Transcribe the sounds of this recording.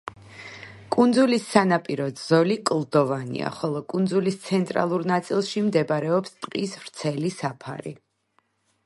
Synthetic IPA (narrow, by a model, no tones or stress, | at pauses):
kʼund̪zulisːanapʼiɾɔd̪z̥ɔlikʼlˠd̪ɔvanḭa̰χɔlˠɔkʼund̪zulist̪sʰɛnt̪ʼɾa̰lˠuɾnat̪sʼilˠʃimd̪ɛbɾɛɔpst̪ʼqʼisvɾt̪sʰɛlisapʰa̰ɾḭ